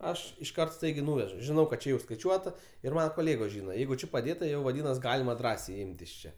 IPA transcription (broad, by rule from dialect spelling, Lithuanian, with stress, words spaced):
ˈɐʃ ɪʃˈkɐrt ˈstɐɪɡʲɛɪ ˈnuːʋʲɛʒʊ ʒʲɪˈnɐʊ kɐt t͡ʃʲɛ ˈjɛʊ skɐɪˈt͡ʃʲuɔtɐ ɪr ˈmɑːnɐ koːˈlʲeːɡoːs ˈʒʲiːnɐ ˈjɛɪɡʊ ˈt͡ʃʲɪ pɐˈdʲeːtɐ ˈjɛʊ ʋɐˈdʲiːnɐs ˈɡɑːlʲɪmɐ ˈdrɑːsʲɛɪ ˈɪmt ɪʃ ˈt͡ʃʲɛ